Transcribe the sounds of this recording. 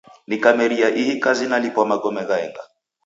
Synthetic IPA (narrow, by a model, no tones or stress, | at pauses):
nikamɛɾiaʔihikazinalipamaɡɔmɛɣaɛŋɡa